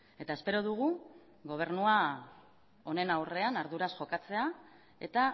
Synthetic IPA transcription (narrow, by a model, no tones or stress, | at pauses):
e̞t̪ae̞spe̞ɾo̞ðuɣ̞u | ɣo̞β̞e̞rnua | o̞ne̞nawre̞anaɾðuɾasʝo̞kat͡se̞a | e̞̰t̪a